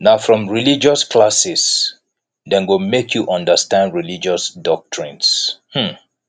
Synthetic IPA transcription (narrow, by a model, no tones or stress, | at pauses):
naʊfɹɔ̃mɹilid͡ʒɔskʰlasis | dɛ̃nɡomekʰjuʔʌ̃ndəstãndɹilid͡ʒɔsdɔk̚tʰɹĩnshm̩